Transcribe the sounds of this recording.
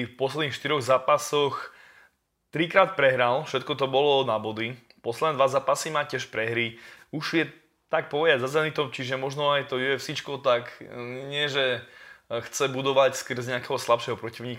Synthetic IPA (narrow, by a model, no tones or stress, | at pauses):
fpɔslɛd̪niːxʃt̪iɾɔɣzaːpasɔx | t̪ɾikɾaːt̪̚pɾɛɦɾalfʃɛt̪̚kɔt̪̬ɔbɔlɔnabɔd̪i | pɔslɛd̪nɛd̪ʋazaːpasimacɪɛʃpɾɛɦɾiuʒjɛ | t̪ak̚pɔʋɛd̪azazɛlɛnit̪ɔmt͡ʃiʒɛmɔʒnɔajt̪ɔjuɛfsit͡ʃkɔt̪akɲɪɛʒɛ | xt͡sɛbud̪ɔʋacskr̩zɲɛakɛɦɔslapʃɛɦɔpɾɔciʊɲiːk